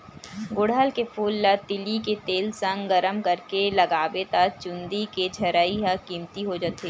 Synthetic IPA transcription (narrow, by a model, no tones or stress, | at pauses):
ɡʊɽəlkefʰuːlːɐt̪ɪliket̪eːlsə̃ŋɡɡɐɾəmkɐɾkelɐɡaːʋet̪at͡ʃʊ̃nd̪iked͡ʒʱɐɾaːiɦəkiːmt̪iɦod͡ʒaːt̪eː